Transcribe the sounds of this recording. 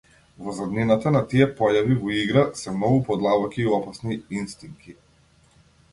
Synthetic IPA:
vɔzad̪ninat̪anat̪iɛpɔjavivɔiɡɾasɛmnɔɡupɔd̪lˠabɔkʲiːɔpasniinst̪iŋkʰi

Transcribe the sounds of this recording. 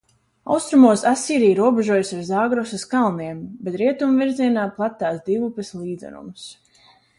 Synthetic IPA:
a̰wst̪ɾumuɔsasiːɾijɾuɔbeʒuɔjusaɾzaːɡɾɔsaskalˠniɛmbet̪ɾiɛt̪umviɾziɛnaːplˠat̪ːaːsd̪ivupeslˠiːd̪zɛ̰ɾṵms

